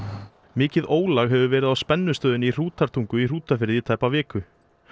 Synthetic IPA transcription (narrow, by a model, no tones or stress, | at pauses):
mɪːcɪðoːwlaɣɦɛvʏvɛːɾɪðawspɛnːʏst̪œːðɪnɪir̥uːt̪aɾ̥t̪ʰuŋkʏir̥uːt̪afɪɾðit̪ʰaːjpavɪːkʏ